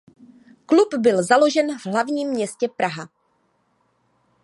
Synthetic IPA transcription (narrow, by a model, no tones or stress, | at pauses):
klupbɪlzalo̞ʒɛnvɦlavɲiːmːɲɛscɛpɾaɦa